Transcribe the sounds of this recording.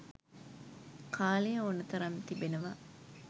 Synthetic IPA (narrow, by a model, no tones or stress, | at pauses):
kʰaːlejəonət̪ɐɾɐnt̪ibenəʋa